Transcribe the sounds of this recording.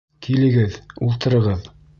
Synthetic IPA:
kilɘ̆ɡɘðulˠt̪ɤ̆ɾɤ̆ʁɤð

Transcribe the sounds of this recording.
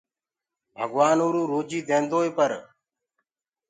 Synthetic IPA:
bʱəɡʋaːnuːɾũːɾoːd͡ʒiːd̪ẽːnd̪oːeːpəɾ

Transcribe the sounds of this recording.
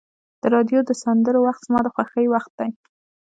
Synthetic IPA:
d̪̥əɾɑd̪jod̪əsand̪əɾowaxt̪z̥mɑd̪əxwaxəjwaxt̪̚d̪aj

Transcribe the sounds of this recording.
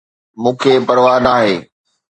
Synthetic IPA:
mũːkʰepɐɽʋaːnaːɦeː

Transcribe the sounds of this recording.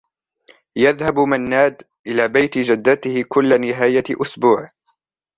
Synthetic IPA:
jaðhabmanːaːd̪ | ʔɪlaːbajt̪ɪd͡ʒad̪ːat̪ɪhɪkʊlːanɪɦaːjaʔʊsbuːʕ

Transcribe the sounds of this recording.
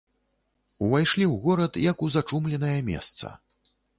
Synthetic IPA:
uvajʂlʲiwɣɔɾɐt̪jɐkuzat͡ʂumlʲɛn̪ɐjɐmʲɛ̰st̪sɐ̰

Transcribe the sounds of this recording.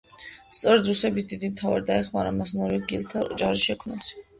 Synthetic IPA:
st̪sʼɔɾɛd̪ɾusɛbisd̪id̪imt̪ʰavaɾid̪aɛχmaɾamasnɔɾiɡilˠt̪ʰaɔd͡ʒaʁʒiʃɛkʰmnas

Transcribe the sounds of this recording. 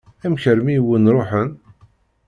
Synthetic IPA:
æmçəɾmiwənɾˤoħən

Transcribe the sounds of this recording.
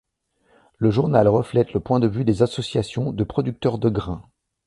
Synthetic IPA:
ləʒuʁnalʁəflɛt̪ləpwɛ̃d̪əvyd̪ezasɔsjasjɔ̃d̪əpχɔd̪yk̚t̪œʁd̪əɡʁɛ̃

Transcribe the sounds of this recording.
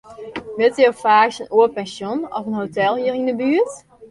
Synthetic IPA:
ʋɪlˠtəjofaːksənuəpɛnsjonɔ̰fənɦotɛlˠhiərindəbyət

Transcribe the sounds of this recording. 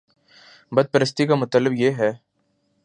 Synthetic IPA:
bɐd̪̚pəɾəst̪ikamʊt̪əlːəbjeːɦɛː

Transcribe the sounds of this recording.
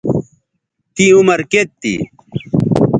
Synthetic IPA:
t̪iumɐɾket̪ːḭ

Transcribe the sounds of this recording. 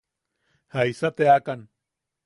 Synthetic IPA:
hajsat̪eakan

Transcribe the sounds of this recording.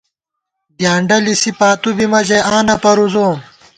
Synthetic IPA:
d̪jaːɳɖɐlisipaːt̪ubimɐd͡ʑeãːnɐpɐɾuzoːm

